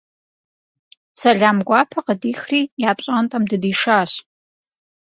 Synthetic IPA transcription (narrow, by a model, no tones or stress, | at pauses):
sɐɮaːmɡʷaːpʰɐqədiːxriːjaːpɕʼantʼɐmdɨdiːʂaːɕ